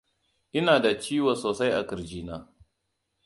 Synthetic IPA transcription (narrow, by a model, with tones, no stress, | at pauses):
ʔɪ˦naː˨da˨t͡ʃiː˦wa˨soː˨sa˦jʔa̰˨kɪ˨ɾd͡ʒiː˦naː˦